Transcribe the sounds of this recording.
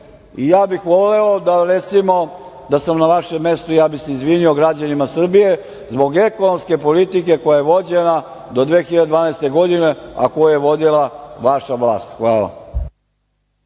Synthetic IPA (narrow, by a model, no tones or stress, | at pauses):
ijaːbixʋoleod̪aɾet̪simo̞ | d̪asamnaʋaʃemːe̞st̪ujaːbixseizʋinioɡɾad͡ʑanimasr̩bije̞ | zbo̞ɡe̞konomske̞polit̪ike̞ko̞jaje̞ʋo̞d͡ʑena | d̪o̞d̪ʋeːxiʎad̪ed̪ʋaːnaest̪e̞ɡo̞d̪ine̞a̰kojujeʋo̞d̪ilˠaʋaʃaʋlˠaːst̪xʋaːla̰